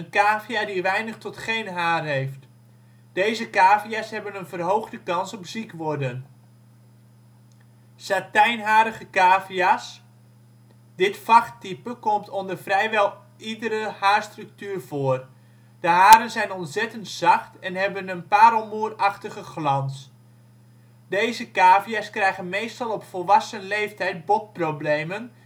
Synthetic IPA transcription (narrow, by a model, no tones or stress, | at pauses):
ənkaːviadiʋɛjnəχtɔtχejnɦaːrɦejft | d̥ejzəkaːviasɦɛbənənvərɦowχdəkɑnsɔpzikʋɔrdən | satɛjnɦaːɾəɣəkaːvias | dɪtfɑxtipəkɔmtʰɔndərfrɛjʋɛlˠ | idəɾəhaːrstryk̚tyːrv̥oːər | d̥əɦaːɾənzɛjnɔnsɛtəntsɑxtɛnɦɛbənənpaːɾɔlˠmuːəraxtəɣəxlɑns | deːzəkaːvijaskrɛjɣənmejstɑlˠɔpfɔlˠʋɑsənleːftɛjt̚bɔt̚probleːmən